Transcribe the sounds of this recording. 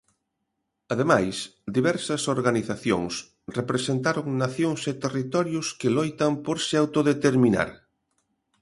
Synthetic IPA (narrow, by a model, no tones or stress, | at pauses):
aðemajsd̪iβɛɾsɐsoɾɣaniθaθjo̰ŋs | repɾesent̪aɾoŋnaθjoŋset̪erit̪ɔɾjʊskelojt̪ɐmpoɾsɪawt̪oðet̪eɾmĩna̰ɾ